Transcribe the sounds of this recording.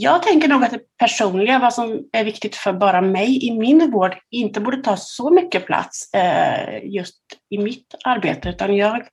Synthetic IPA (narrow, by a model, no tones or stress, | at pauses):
jɑːɡ̚t̪ʰɛŋkəɳuːɡat̪̚d̪ɛpʰæʂuːnlɪɡavasɔmæɾvɪkt̪ɪɡ̚t̪fœɾbɑːɾamɛjɪmɪnvoːɖɪnt̪əbuːɖət̪ʰɑːsɔmʏkːəpʰla̰t̪s | jɵst̪ɪmɪt̪aɾbḛːt̪əʉ̟ːt̪anjɑːɡ